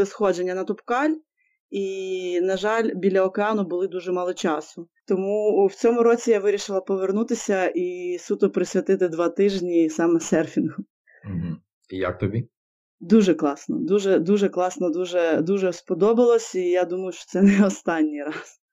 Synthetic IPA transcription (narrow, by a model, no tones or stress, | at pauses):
lˠɪsxɔd͡ʒenʲːɐnɐt̪ʊpkɑlʲ | inɐʒɑlʲbʲilʲɐɔkeɑnʊbʊlˠɪd̪uʒɛmɑlˠɔt͡ʃɑsʊt̪ɔmuwt͡sʲɔmʊɾɔt͡sʲijaʋɪɾʲiʃɪlˠɐpɔʋernut̪ɪsʲɐisʲut̪ʊpɾɪsʲʋʲɐt̪ɪt̪ɪd̪ʋɑt̪ɪʒnʲisɑmɛsɛrfʲinʊ | ɦ̩ | ija̰k̚t̪ɔbʲi | d̪uʒɛklˠɑsnɔ̰d̪uʒɛd̪uʒɛklˠɑsnɔd̪uʒɛd̪uʒɛspɔd̪ɔbɪlˠɔsʲijad̪umɐjʊʃt͡ʃɔ̥t̪sɛnɛɔst̪ɑnʲːijɾɑs